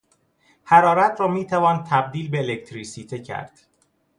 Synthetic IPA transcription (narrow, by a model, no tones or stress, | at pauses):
hæɾɒːɾæt̪ʰɾɒːmiːt̪ʰævɒːnt̪ʰæb̚d̪iːlbeːlek̚t̪ʰɾisiːt̪ʰecʰæ̰ɾd̪̥